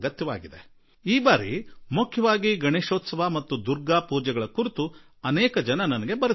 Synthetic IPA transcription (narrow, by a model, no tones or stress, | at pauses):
ɡɐt̪jɐʋa̰ːɡid̪e̞̰ | iːbaːɾḭmukʰjɐʋaːɡiɡɐɳeːʃoːt̪sɐʋamɐt̪ːud̪uɾɡaːpuːd͡ʒɛɡɐɭɐkuɾit̪u | ɐnɛːkɐd͡ʒɐnɐnɐnɐɡebɐɾu